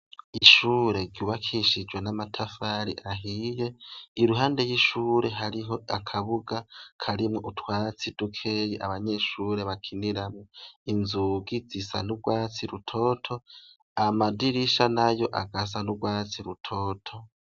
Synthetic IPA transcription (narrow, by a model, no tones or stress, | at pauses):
iʃuːɾe̞ɾɟjuːβakʰiʃid͡ʒwe̞namatʰafaːɾḭʔaɦije̞iɾuɦaːnde̞jiʃuːɾe̞ɦaɾiɦo̞akʰaβuɡakʰaɾimŋoʔutwaːt͡sid̥ukʰe̞jeʔaβaɲe̞ʃuːɾe̞βakʰiniɾamŋoinzuɡizisa̰nubɡwaːt͡siɾutʰo̞ːtʰo̞ | amadiɾiʃanajo̞ʔa̰ɡazanubɡwaːt͡siɾutʰo̞ːtʰo̞